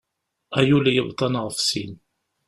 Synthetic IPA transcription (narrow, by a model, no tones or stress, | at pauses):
æjulijəbt̪ˤːɑnʁəfsin